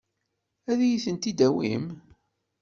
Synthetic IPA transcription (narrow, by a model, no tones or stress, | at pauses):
æðæjiθənt̪id̪æwḭm